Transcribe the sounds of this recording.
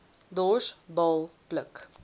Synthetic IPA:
d̪oːsbɔlˠplək

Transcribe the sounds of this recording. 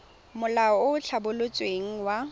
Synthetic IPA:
mʊlaɔʊʊt͡ɬʰabʊlʊt͡sʼweŋ̩wa

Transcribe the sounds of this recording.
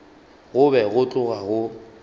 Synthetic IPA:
ɣʊbɛɣʊt͡ɬʼʊɣaɣʊ

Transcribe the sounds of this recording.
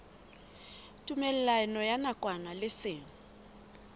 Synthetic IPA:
tʼumɛlɛlanɔjanakʼwanalɪsɪːŋ̩

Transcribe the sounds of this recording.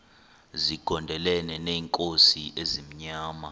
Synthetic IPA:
ziɡ̥ʱɔndʱɛlɛnɛneːŋkʼosiʔezim̩ɲaːma

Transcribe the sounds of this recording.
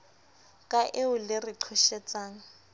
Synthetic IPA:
kʼaʔeʊlɪriǃʰɔʃɛt͡sʼaːŋ̩

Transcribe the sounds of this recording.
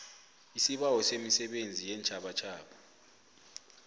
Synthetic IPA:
isiɓawɔsemisɛɓend͡zʱijɛnt͡ʃʰʼaɓat͡ʃʰaːɓa

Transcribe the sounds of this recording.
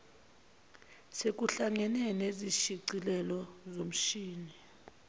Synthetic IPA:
sek̬ʼuɬaŋɛnɛneziʃiǀilɛlɔzom̩ʃiːni

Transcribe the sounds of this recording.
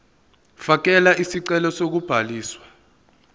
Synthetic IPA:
fak̬ɛlaʔisiǀɛlɔsok̬ub̥ʱaliːswḁ

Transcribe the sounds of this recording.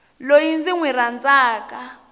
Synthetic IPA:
lojind͡ziŋwirand͡zaːkʼa

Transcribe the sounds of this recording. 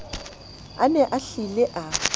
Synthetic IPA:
anɛʔaɬilɪʔa

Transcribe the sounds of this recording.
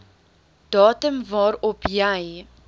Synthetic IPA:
d̥ɑːtəmvɑːɾɔpʰjəj

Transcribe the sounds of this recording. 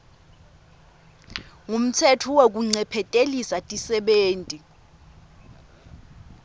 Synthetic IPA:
ŋum̩tʰɛtʰɔwok̬uŋ͡ǀɛpʰɛtʼelisatʼisɛɓeːntʼi

